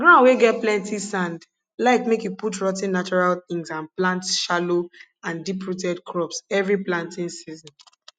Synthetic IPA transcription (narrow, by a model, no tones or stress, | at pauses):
ɡɹãʊ̃nweɡɛt̚plɛ̃ntisãnd | laɪkmekjuputɹɔtĩnːat͡ʃɔɹalθĩŋsãnplãntʃalo | ãndipɹutɛdkʰɹɔpsɛvɹiplãntĩnsizɔ̃n